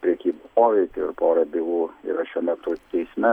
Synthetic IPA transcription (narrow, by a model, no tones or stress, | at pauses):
pʲɾʲɛkʲiːboːʋʲɛɪkʲʊɪ̰ɾpoːɾɐbʲɪʋuːḭɾɐʃʲuɔmʲɛt̪ʊt̪ʲɛɪsʲmʲɛ